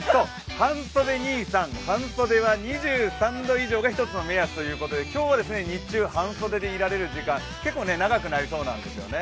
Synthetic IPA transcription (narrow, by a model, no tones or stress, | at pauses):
so̞ː | hãso̞d̪e̞ɲʲiːsãŋhãɰ̃so̞d̪e̞βaɲiʑɨːsãnd̪o̞iʑo̞ːɡaçi̥t̪o̞t͡sɨno̞me̞jasɨ̥t̪o̞jɯ̟ːko̞t̪o̞d̪e̞kʲo̞ːβad̪e̞sɨne̞ɲ̟it͡ɕɨːhãɰ̃so̞d̪ed̪eiɾaɾe̞ɾɯ̟ʑikãŋ | ke̞kːoːne̞naɡakɯ̟naɾʲiso̞ːnã̰nd̪e̞sɨjo̞̰ne̞